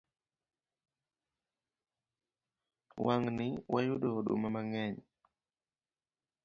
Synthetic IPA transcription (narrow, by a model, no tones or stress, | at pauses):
waŋnɪwajudoɗo̰mamaŋɛɲ